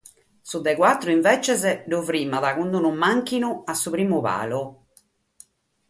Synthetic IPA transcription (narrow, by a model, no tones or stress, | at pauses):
sud̪ːɛkwat̪ːɾuiɱvɛt͡ʃɛzɛɖuvɾiːmaðakund̪unumːaŋkinuasːupɾiːmuβa̰ːlu